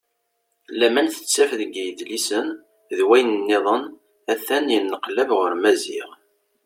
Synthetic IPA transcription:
læmænθə̥t͡sːæfðəɡjəd̪lisən | ðwæjnənːeðˤən | æθænjənːəqlævʁəɾmæzḭʁ

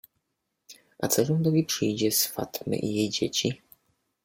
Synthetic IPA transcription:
ʔa̰t̪sɛʐɛnd̪ɔvʲipʂɘjd͡ʑɛsfa̰t̪mɘ̰ʔijejd͡ʑet͡ɕi

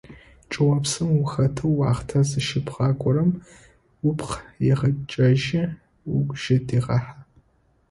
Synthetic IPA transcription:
t͡ʃʼɨwɐpsɨmwʊxɐtʰɨwwɑːχtʰɐzɨʃɪpʁɑːkʷʼɔɾɐm | wʊpʰqjɛʁɐt͡ʃʼɐʒɪ | wʊkʷʒ̥ɪdiːʁɐħa

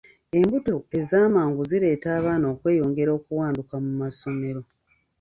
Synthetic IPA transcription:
e̞mbuto̞e̞zaːmaːŋɡuziɾe̞ːtaːβaːnoːkwe̞ːjo̞ːŋɡe̞ɾo̞ːkuwaːndukamumaso̞me̞ɾo̞

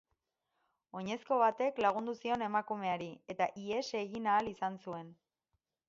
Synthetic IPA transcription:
o̞ɲe̞sko̞β̞at̪e̞klaɣund̪usio̞ne̞makume̞aɾie̞t̪aʔie̞seɣinaːlisansue̞n

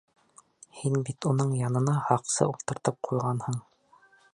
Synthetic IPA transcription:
hinbit̪unɤɴjɑnɤ̆nɑhɑqsɤ̰ulˠt̪ɤ̆ɾt̪ɤp̚qʰujʁɑnhɤɴ

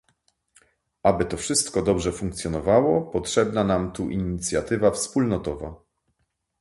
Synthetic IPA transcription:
ʔabɘt̪ɔfʂɘst̪kɔd̪ɔbʐɛfuŋkt̪sjɔnɔvawɔpɔtʂɛbnanamt̪uʔiɲit̪sʲjat̪ɘvafspulnɔt̪ɔva̰

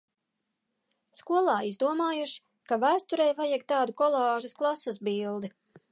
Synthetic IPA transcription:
skuɔlˠɑːizd̪uɔmaːjuʃi̥ | kavæːst̪uɾɛjvajaɡ̚t̪aːd̪ukɔlˠɑːʒɐsklˠasasbiːlˠd̪i

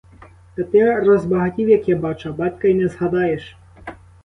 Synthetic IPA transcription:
t̪ɐt̪ɛrɔzbɐɣatʲiwjakjabat͡ʂɐbat̪kɐinɛzɣad̪ajɛʂ

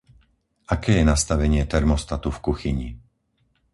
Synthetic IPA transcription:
akɛːjɛnast̪aʋɛɲɪɛt̪ɛɾmɔst̪at̪ufkuxiɲḭ

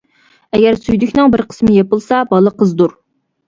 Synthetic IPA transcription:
ɛɡʲɛɾsyjd̪ykʲnɨŋbɪɾqʰə̥smɪjɑpəlˠsɑbɑlˠəqʰəzd̪uɾ

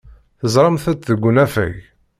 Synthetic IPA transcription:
θəzˤɾˤɑmθæt͡sðəɡʷːʊnæfæ̰ʝ

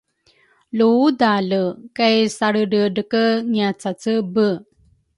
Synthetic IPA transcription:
ludaləkajsaɾəɖəɖəkəŋiat͡sat͡səbə

